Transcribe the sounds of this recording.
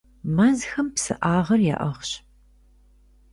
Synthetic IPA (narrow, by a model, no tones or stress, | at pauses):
mɐzxɐmpsɨ̰ʔaːʁɐrja̰ːʔɐʁɕ